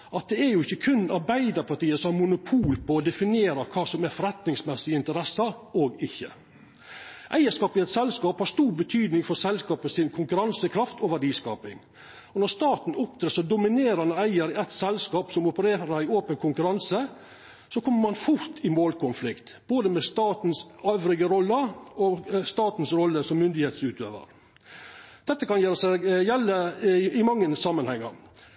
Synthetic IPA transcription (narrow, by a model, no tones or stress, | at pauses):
ɑt̪̚d̪ɛæɾjʊɪçːəkʰʉnːɑɾbæɪd̪ɑɾpʰɑʈiːəsɔmæɾmʊnʊpʰuːlpɔːd̪ɛfɪnɪeːɾɑkʰɑːsɔmæɾfɔɾɛt̪nɪŋsmɛsːɪɪnt̪əɾɛsːɑoːɡɪçːə̰ | ʔæ̰ɪəʂkɑːpɪɛt̪sɛlskɑːphɑɾʂt̪uːɾbət̪ʰyːd̪nɪŋfɔɾsɛlskɑːpəsɪnkʰʊŋkʉɾɑnsəkʰɾɑft̪ʰɔʋæɖiːskɑ̰ːpɪŋ | ɔnɔɾst̪ɑːt̪n̩ʊp̚d̪ɾeːsɔd̪ʊmɪneːɾɑnəæɪəɾɛt̪sɛlskɑːpsɔmɔpəɾeːɾəæɪoːpənkʰʊŋkʉɾɑnsə | sɔkʰɔmːəɾmɑnfʊɾt̪ʰɪmoːlkʰʊnflɪkt̪b̥oːd̪əmɛst̪ɑːt̪n̩søːʋɾɪɡəɾɔlːəɔst̪ɑːt̪n̩sɾɔlːəsɔmːʏnd̪ɪheːt̪sʉːt̪ø̰ːʋə̰ɾ | d̪̥ɛt̪ːəkɑnjeːɾəsɛɡjɛlːəɪmɑŋːənsɑmːənhɛŋːə̰ɾ